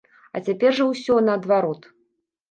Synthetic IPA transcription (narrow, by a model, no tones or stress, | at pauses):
ɐ̰t͡sʲapʲɛrʐɐwsʲɔnɐːd̪vaɾɔt̪